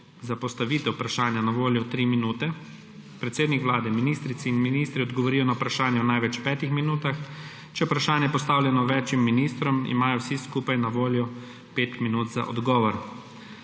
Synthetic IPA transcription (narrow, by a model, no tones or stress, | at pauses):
zapɔst̪aʋiːt̪ɛwpɾaʃaːnjanaʋoːljɔt̪ɾiːminuːt̪ɛ | pɾɛt̪seːd̪nikʋlaːd̪ɛminist̪ɾit̪sɛinminiːst̪ɾiɔd̪ɡɔʋɔɾiːjɔnawpɾaʃaːnjɛɔnajʋɛt͡ʃpɛːt̪ixminuːt̪ax | t͡ʃɛupɾaʃaːnjɛpɔst̪aːwlʲjɛnɔʋɛːt͡ʃimːinist̪ɾɔmḭmaːjɔwsiskuːpajnaʋoːljɔ | peːt̪minuːt̪za̰ʔɔ̰d̪ɡɔːʋɔɾ